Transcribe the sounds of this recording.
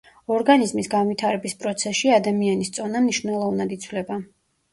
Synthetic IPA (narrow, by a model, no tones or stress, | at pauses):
ɔɾɡanizmisɡanwit̪ʰaɾɛbispʼɾɔt̪sʰɛʃiad̪amianist̪sʼɔnamniʃnɛlˠɔvnad̪it̪sʰwlɛba